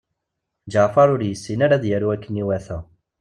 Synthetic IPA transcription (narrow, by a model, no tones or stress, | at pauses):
d͡ʒəfɑɾˤʊɾjəsːinaɾaðjəɾuækːəniwæθæ